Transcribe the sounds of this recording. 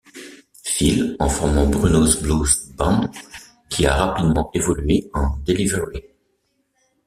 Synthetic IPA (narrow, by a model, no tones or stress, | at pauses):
filɑ̃fɔʁmɑ̃bʁynozblozbɑ̃ | kʲʰia̰ʁapid̪mɑ̃ʔevɔlɥeɑ̃d̪eliveʁi